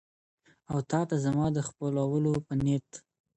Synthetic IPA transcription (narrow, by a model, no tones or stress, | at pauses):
awt̪ɑt̪azamɑd̪əxpəlawəlopənet̪